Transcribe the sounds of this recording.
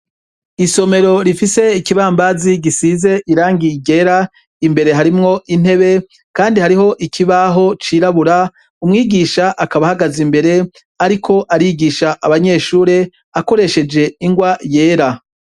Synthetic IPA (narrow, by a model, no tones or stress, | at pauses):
iso̞me̞ɾo̞ɾifise̞ikiβaːmbaziɡisize̞ʔiɾaːŋɡiɡe̞ɾa | imbe̞ɾe̞ɦaɾimŋo̞ʔin̥he̞βe̞ | kaːndihaɾiɦo̞ʔikʰiβaɦo̞t͡ʃiːɾaβuɾa | umŋiːɡiʃaʔakaβahaɡazimbe̞ɾe̞ | aɾikʰo̞ʔaɾiɡiːʃaʔaβaɲe̞ːʃuːɾe̞ | ako̞ɾe̞ʃe̞d͡ʒe̞iŋɡwaje̞ːɾa